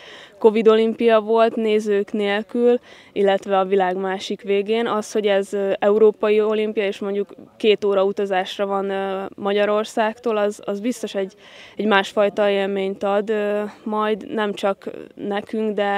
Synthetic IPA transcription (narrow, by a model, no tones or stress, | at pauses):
ko̞vid̪o̞limpijɒvo̞lt̪neːzøːkneːlkyl | ilːɛt̪ʋɛɒvilaːɡmaːʃikʋeːɡeːnɒsho̞ɟɛzɛuɾoːpɒjio̞limpijɒeːʃmo̞ɲɟukːeːt̪oːɾɒut̪ɒzaːʃrɒvɒnmɒɟɒɾo̞rsaːkt̪oːlɒzɒzbist̪o̞ʃɛɟː | ɛɟmaːʃfɒjt̪ɒeːlmeːɲt̪ɒd̪mɒjd̪nɛmt͡ʃɒknɛkyŋɡd̪ɛ